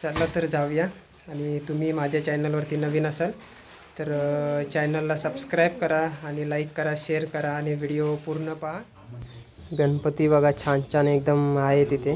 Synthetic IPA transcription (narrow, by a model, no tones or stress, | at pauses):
t͡salːat̪əɾd͡zʱaʋjaː | ɽ̃it̪umiːmad͡ʑʱat͡ɕɛnəlʋəɾt̪iːnəʋiːnəsel | t̪əɾt͡ɕɛjnəlːasəbskɾajb̚kəɾaːɽ̃ilaikːəɾaɕeɾkəɾaːɽ̃iʋiɽijopuɾɳəpaɦa | ɡəɳpət̪iːbəɡat͡ɕʰãnt͡ɕanek̚d̪əmaɦet̪it̪ʰe